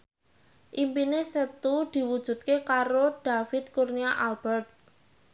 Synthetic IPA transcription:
ʔimpinesət̪ud̪̥i̤wud̥ʒ̥ṳt̪̚kekaɾod̪̥afɪt̪̚kurniaʔalb̥ɛrt̪̚

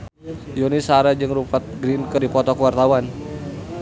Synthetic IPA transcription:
jonisaɾad͡ʒɨŋɾupat̪̚ɡɾinkədipɔt̪ɔkəwart̪awan

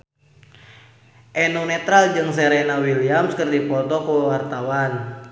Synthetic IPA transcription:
ʔɛnɔnɛt̪ɾald͡ʒɨŋsɛɾɛnawiliamskərdipɔt̪ɔkuwart̪awan

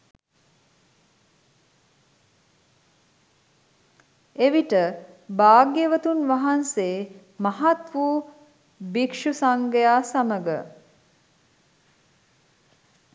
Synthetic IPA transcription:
eʋiʈəbaːɡjeʋət̪unʋaɦanseː | mɐɦat̪ʋuː | bikʂusaŋɡəjaːsaməɡə

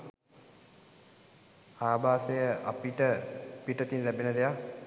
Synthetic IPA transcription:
aːbaːsejəʔa̰piʈəpiʈət̪inlæbenəd̪eja

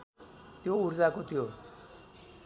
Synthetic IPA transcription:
t̪jouɾd͡zakot̪jo

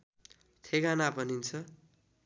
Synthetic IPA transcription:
t̪ʰeɡanabʌnint͡sʰʌ

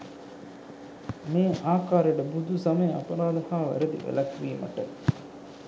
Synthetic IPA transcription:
meːʔaːkaːɾeɖəbud̪ʱusɐmeja̰pɐɾaːd̪ɐhaːʋæ̰ɾed̪ḭʋḛlɐkʋiːmɐ̰ʈə

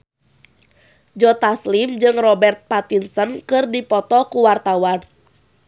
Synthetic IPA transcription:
d͡ʒɔt̪aslimd͡ʒɨŋrɔbɛrt̪̚pat̪insənkɨrdipɔt̪ɔkuwart̪awan

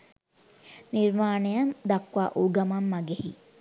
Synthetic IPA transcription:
niɾmaːnejɐmd̪akʋaːʔuɡɐmamːɐɡehi

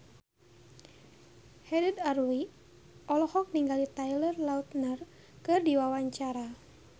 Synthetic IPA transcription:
hɛdɛd̪arwi | ɔlɔhɔk̚niŋɡalit̪ajlərlaut̪̚nər | kɨrdiwawaɲt͡ʃaɾa

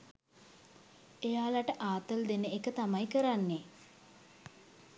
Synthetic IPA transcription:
ejaːlaʈəʔaːt̪əld̪enəekət̪amajkəɾanːe

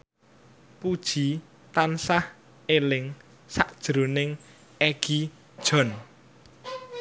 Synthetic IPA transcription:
pud̥ʒ̥i̤ | t̪ansah | elɪŋ | saʔd̥ʒ̥ɾonɪŋ | eɡ̥i | d̥ʒ̥ɔ̤n

